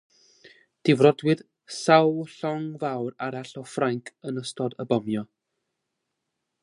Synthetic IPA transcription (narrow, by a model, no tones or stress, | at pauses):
d̥ɪvrɔdwɨð̥ | sawɬɔŋvawraɾaɬɔfraŋkʰənəstɔdəbɔmjɔ